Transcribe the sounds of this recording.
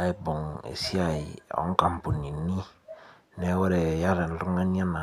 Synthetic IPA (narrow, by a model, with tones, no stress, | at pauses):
a˦i˦bɔ˨ŋḛ˨si˦a˨i˨ɔ̰˨˦ŋ˦ka˨m˨pu˨ni˨ni˦ | ne˦wɛ˦ɾe˨ja˦ɾe˨n̩˨lu˦ŋa˦n˦a˦na˨